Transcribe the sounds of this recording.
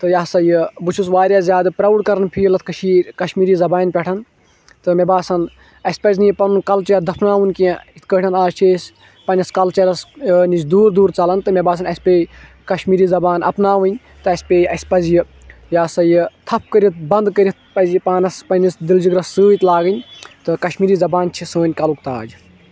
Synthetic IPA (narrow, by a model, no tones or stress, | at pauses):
t̪ɨjaːsɐjɨbɨt͡ʃʰusʋaːɾjaːzʲjaːd̪ɨpɾɐwɽkɐɾɐnpʰijlɐt̪̚ʰkɐʃiːɾʲkɐʃmiːɾiːzɐbaːnʲpʲɛʈʰɐn | t̪ɨmʲebaːsɐn | ɐsʲpɐzʲnipɐnunkɐlt͡ʃɐɾd̪ɐpʰnaːʋunkiẽit̪ʰkəːʈʰɐnaːt͡ʃʰeːsʲ | pɐnʲɐskɐlt͡ʃɐɾɐsnisd̪uːɾd̪uːɾt͡sɐlɐnt̪ɨmʲebaːs̬ɐnɐsʲpʲeː | kɐʃmiːɾiːzɐbaːnɐ̰pnaːʋɨnʲ | t̪ɨɐsʲpʲeːɐsʲpɐzjɨ | jaːsɐjɨt̪ʰɐp̚ʰkəɾʲit̪̚bɐnd̪kəɾʲit̪̚pɐzjpaːnɐspɐnʲisd̪ild͡ʒiɡɾɐsːɨːit̪laːɡɨnʲt̪ɨkɐʃmiːɾiːzɐbaːnt͡ʃʰisəːnʲkɐlukt̪aːd͡ʒ